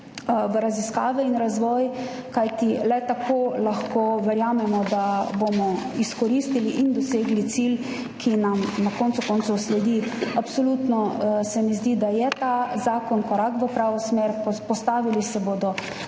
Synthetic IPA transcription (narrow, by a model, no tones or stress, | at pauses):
ʋəɾaziska̰ːʋɛinɾazʋɔːj | kajt̪ilɛt̪akʰoːlaxkoʋɛɾjaːmɛmɔd̪abomɔiskɔɾist̪iliʔind̪ɔseːɡlit̪sil | kʰinamnakɔnt̪sukɔnt̪sɔwslɛd̪iapsɔlut̪nɔsɛmɛzd̪id̪ajɛt̪azaːkɔnkɔɾakʋəpɾaːʋɔsmeːɾpɔst̪aːʋilisɛboːd̪ɔ